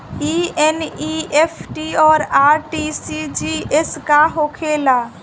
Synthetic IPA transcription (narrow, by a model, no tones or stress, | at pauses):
ieniepʰʈiɔːɾaɾʈisid͡ʒieskaɦokʰela